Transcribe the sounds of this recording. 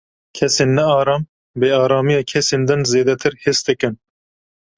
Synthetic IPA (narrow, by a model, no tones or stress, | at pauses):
kʲʰɛseːnːɛɑːɾɑːm | beːɑːɾɑːmijɑːkʰɛseːnd̪ɨnzeːd̪ɛt̪ʰɨɾheːsd̪ɨkɨn